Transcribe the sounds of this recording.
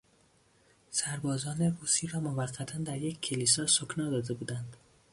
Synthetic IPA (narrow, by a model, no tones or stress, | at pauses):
sæɾbɒːzɒːne̞ruːsiːɾɒːmovæɢːæt̪ʰænd̪æɾje̞cʰʲcʰːelisɒːsokʰnɒːd̪ɒːd̪e̞buːd̪ænd̪